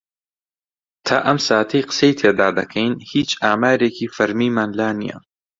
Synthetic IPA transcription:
t̪ʰaːʔɐmsaːt̪ʰɐjqə̥sejt̪ʰeːd̪aːd̪ɐkʰɐjnhiːt͡ʃaːmaːɾeːcʰiːfɐɾmiːmaːnlaːnḭjɐ̰

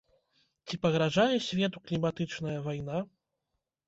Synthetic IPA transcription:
t͡sʲipɐɣɾaʐajɛsʲvʲɛt̪uklʲimat̪ɨt͡ʂnɐjɐvajn̪a

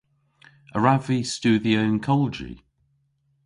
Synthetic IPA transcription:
əɹavist͡ʃʉːðiəɪ̃nkʰɔləd͡ʒḭ

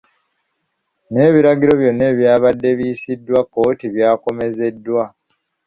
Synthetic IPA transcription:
ne̞ːβiɾaɡiɾo̞βjo̞nːe̞ːβjaːβadːe̞βiːsidːwakːo̞ːtiβjaːko̞me̞ze̞dːwa

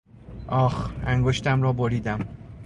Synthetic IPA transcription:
ʔɒːxæŋɡoʃt̪ʰæmɾɒːboɾiːd̪æm

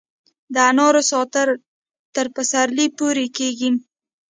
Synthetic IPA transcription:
d̪əanɑɾosɑt̪əɾ | t̪əɾpəsaɾlipoɾekeɡi

